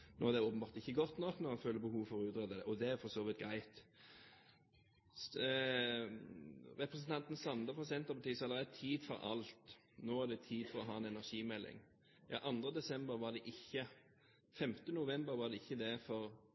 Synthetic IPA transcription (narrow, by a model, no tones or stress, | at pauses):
noːd̪ɛoːpəm̩bɑːʁt̪ɪçːəɡɔt̪ːnɔknɔɑnføːləbəhuːʋfɔɾʉːt̪ɾɛd̪əd̪ɛʔɔd̪ɛæɾfɔsoːʋɪt̪̚ɡɾæɪt̪ | ʁɛpɾəsn̩t̪ʰɑnt̪n̩sɑnd̪əfɔsɛnt̪əɾpɑt̪iːəsɔɑd̪əɾɛt̪ʰiːd̪fɔɾɑ̰lt̪ | noːæd̪ɛt̪ʰiːd̪fɔɾɔɦɑːɛnɛnæʁʂiːmɛlːɪ̰ŋ | jɑ̰ʔɑnd̪ɾəd̪ɛsɛmbəɾʋɑd̪ɛʔɪçːə | fɛmt̪ənʊʋɛmbəɾʋɑd̪ɛɪçːəd̪ɛfɔɾ